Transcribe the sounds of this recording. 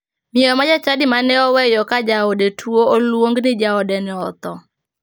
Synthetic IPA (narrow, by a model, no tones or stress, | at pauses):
mɪɛɔmad͡ʒat͡ʃadɪmanɛɔwɛjɔkad͡ʒaɔdɛtʰuoolwoŋɡnɪd͡ʒaɔdɛnɪɔt̪ɔ